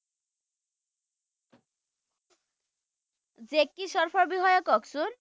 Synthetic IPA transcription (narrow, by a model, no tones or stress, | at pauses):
d͡ʑekːiʃɔɾfʰɔɾbiɦɔjokɔksun